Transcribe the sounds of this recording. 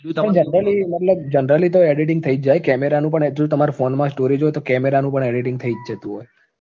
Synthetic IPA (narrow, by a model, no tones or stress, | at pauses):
ə̃d͡ʒənɾəliməʈ̪ləb̚d͡ʒənɾəlit̪oeɖiʈ̬ɪ̃ŋɡt̪ʰəid͡ʒd͡ʒajkɛmeɾanũpəɳd͡ʒõt̪əmaɾafonmãsʈoɾid͡ʒoet̪okɛmeɾanũpəɳeɖiʈɪ̃ŋɡ̚t̪ʰəid͡ʒd͡ʒət̪ũɦoj